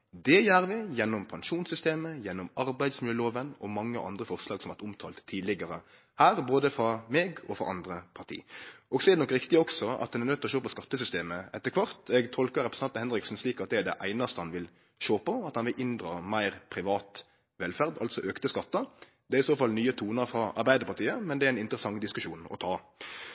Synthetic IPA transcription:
d̪ɛjæːɾʋɪjɛnːɔmpʰɑnʃuːnsʏst̪eːməjɛnːɔmɑɾbæɪd̪smɪləəloːʋənɔmɑŋːəʔɑ̰nd̪ɾəfɔʁslɑːɡsɔmʋɑt̪ʊmt̪ʰɑːlt̪ʰːiːd̪lɪɡəɾə | hæːɾboːd̪əfɾɑmeːɡɔfɾɑ̰ʔɑnd̪ɾəpʰɑʁʈ̪ʰḭːʔɔɡsɔɛɾd̪ɛnɔkːɾɪkt̪ɪəɔksɔɑ̰t̪̚dɑnɛʁnœt̪ːɪlɔʃoːpɔskɑt̪ːəsʏst̪eːməɛt̪ːəkʋɑɾt̪ɛɡt̪ʰɔlkəɾɛpɾsɑnt̪əhɛnɾɪksn̩sliːkɑt̪̚d̪ɛæd̪ɛ̰ʔæ̰ɪnɑst̪əhɑnʋɪl | ʃoːpɔɑt̪hɑnʋɪlʔɪnd̪ʁɑːmæɪʁpʰɾɪʋɑːt̪ | ʋɛlfæʁd̪ɑ̰lt̪sɔʔøːkt̪əskɑt̪ːɑ | d̪ɛæɾɪsoːfɑlnyːət̪ʰuːnɑɾfɾɑɑ̰ɾbæɪd̪əɾpɑʁt̪ʰiːəmɛnd̪ɛæɾæɪnɪnt̪əɾəsɑŋd̪ɪskʉʃuːnɔ̰t̪ʰɑː

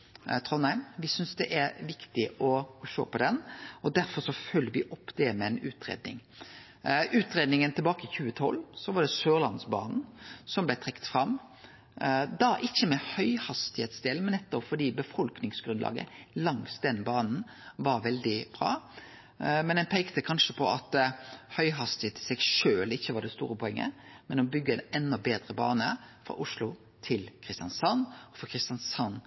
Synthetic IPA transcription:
t̪ʰʁɔnæɪmʋɪsʏnsd̪ɛ̰ʔæɾʋɪkt̪ɪʔɔɔʃo̰ːpɔd̪ɛnɔd̪æɾfɔɾsɔfœlːəʋɪʔɔpːd̪̥ɛmɛɛnʉːt̪ɾḛːd̪nɪ̰ŋ | ʉːt̪ɾeːd̪nɪŋənt̪ʰɪlbɑːkəɪçʉːət̪ʰɔ̰lːsɔʋɑd̪ɛsøːʁlɑnsbɑ̰ːnn̩sɔmblɛt̪ʰʁɛkːt̪fɾɑm | d̪ɑʔɪçːəmɛhœʏhɑst̪ɪheːt̪sd̪eːlmɛnːɛt̪ːɔpfɔd̪iːbəfɔlknɪŋsɡɾʉnlɑ̰ːɡə̰lɑŋsd̪ɛnbɑːnn̩ | ʋɑɾʋɛld̪ɪb̥ɾɑ̰ː | mɛnɛnpʰɛɪkt̪əkʰɑnʂəpʰɔɑt̪hœʏɦɑst̪ɪheːt̪ʰɪ̥sɛɡʂøːlɪçːəʋɑd̪ɛst̪ṵːɾəpʰɔɛŋːə̰mɛnɔbʏɡːəɛnɛnːɔbeːd̪ɾəbɑːnəfɾɑ̰ːʔʊʂlʊ | t̪ʰɪlkʰʁɪst̪jɑnsɑnɔfɔkʰɾɪst̪jɑnsɑnː

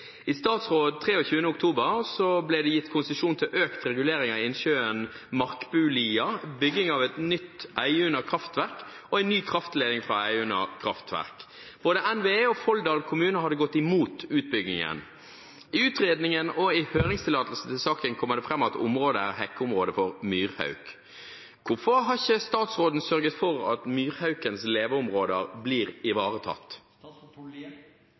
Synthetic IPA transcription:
ɪst̪ɑːt̪sʁoːd̪t̪ʰɾeːɔçʉːənəʊkt̪ʰuːbəɾsɔblɛɪd̪ɛjɪt̪ːkʰʊnsəʃuːnt̪ʰɪlʔøːkt̪ɾɛɡʉleːɾɪŋɑɪɪnʃøːən | mɑʁkbʉːliːɑbʏɡːɪŋɑʋɛt̪nʏt̪ːʔæɪʉnəkʰɾɑft̪ʋæʁk | ɔæɪnːyːkʰʁɑft̪leːd̪ɪŋfʁɑ̰æɪʉnə̰kʰɾɑft̪ʰʋæ̰ʁk | b̥oːd̪əʔɛnʋeːɔfɔld̪ɑːlkʰʊmʉːnəhɑd̪ːəɡɔt̪ːɪmuːt̪ʉːt̪̚bʏɡnɪ̰ŋə̰n | ɪʉːt̪ʁeːd̪nɪŋənɔɪhøːɾɪŋst̪ʰɪlːɑːt̪l̩sn̩t̪ʰɪlsɑːkənkʰɔmːəʁd̪ɛfɾɛmːɑt̪ʊ̰mʁoːd̪əæ̰ʁhɛkːəʊmʁoːd̪əfɔʁmyːʁhɑ̰ʉk | ʋʊfɔɦɑçəst̪ɑːt̪sʁoːd̪n̩sœɾɡət̪fɔɾɑ̰t̪myːʁhɑʉkənsleːʋəɾʊmʁoːd̪əʁbliːʁɪʋɑːʁət̪ʰɑ̰t̪ː

